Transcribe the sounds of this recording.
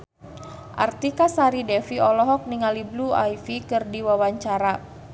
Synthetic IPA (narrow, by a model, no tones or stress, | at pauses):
ʔa̰rt̪ikasaɾidɛfiɔlɔɦɔk̚niŋaliblua̰jfikɨrdiwawaɲt͡ʃaɾa